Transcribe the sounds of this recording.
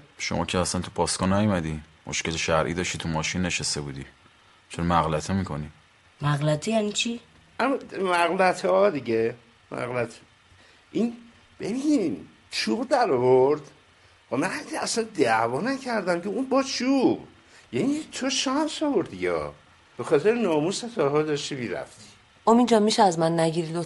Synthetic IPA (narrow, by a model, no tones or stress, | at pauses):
ʃo̰mɒ̰ːcʰeæsænt̪ʰupʰɒːskɒnːæjomæd̪imʔoʃceleʃæɾʔḭːd̪ɒːʃt̪it̪ʰumɒːʃinːe̞ʃest̪ebuːd̪i | t͡ʃʰoɾmæɣlæt̪ʰemiːkʰoni | mæɣlæt̪ʰejænit͡ʃʰi | amːɔmæɣlæt̪ʰɒd̪iɟe | mæ̰ɣlæt̪ʰ | ʔin | b̥ebiːnim | t͡ʃʰuːbd̪æɾɔvoɾd̪ | xomænhæd̪iæsænd̪ævɒːnæcʰæɾd̪æmkʰeunbɒːt͡ʃʰub | jænit̪ʰoʃɒːnsɒvoɾd̪diɟeɒ̰ | b̥exɒːt̪ʰeɾenɒːmuset̪ʰɒːɦɒd̪ɒʃt̪imiɾæ̰ft̪ʰi̥ | omind͡ʒɒmiʃɛæzmænːæɟiɾid̪o